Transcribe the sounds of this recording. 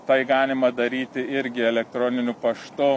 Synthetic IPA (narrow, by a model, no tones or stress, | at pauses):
t̪ɐɪɡɑːnʲɪmɐd̪ɐɾʲiːt̪ʲɪɪɾʲɡʲɪɛlʲɛk̚t̪ɾoːnʲɪnʲʊpɐʃt̪ʊ